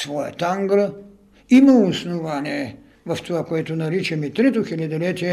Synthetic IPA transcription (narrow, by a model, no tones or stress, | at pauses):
svɔja̰t̪aŋɡɾə | imaosnovanʲiɛ | vɐft̪ovakoɛt̪onaɾit͡ʃɛmit̪ɾɛt̪oxilʲad̪ilɛt̪iɛ